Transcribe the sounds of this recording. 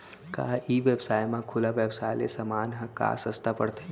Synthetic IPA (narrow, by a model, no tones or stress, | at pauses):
kaːiʋjəbsaːjmãkʰʊlaʋjəbsaːjlḛsəmaːnɦə̃ka̰ːsəst̪apəɽt̪ʰe